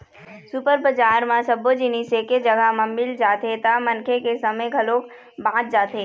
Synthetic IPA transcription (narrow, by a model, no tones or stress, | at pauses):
sʊpəɾbəd͡ʒaːɾmãsɐbod͡ʒiniseked͡ʒɐɡamɐmbɪld͡ʒaːt̪et̪amɐnkʰekesɐməjɡʱɐloːk | bãːt̪̚d͡ʒaːt̪eː